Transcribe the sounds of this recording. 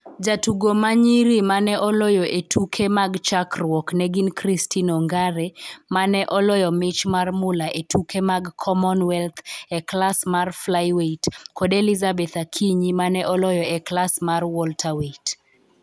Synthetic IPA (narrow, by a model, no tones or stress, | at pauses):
d͡ʒatuɡomaɲiɾimanɛʔɔlɔjɔʔetʰukʰemaɡt͡ʃakrwɔknɛɡinkɾistʰinɔŋɡaɾɛmanɛʔɔlɔjɔmɪt͡ʃmarmʊlaʔetʰukʰemaɡkʰɔmɔnwɛlt̪ʰɛklasmarflajweitkɔdelizabɛt̪akʰiɲimanɛʔɔlɔjɔɛklasmarwɔltʰaweit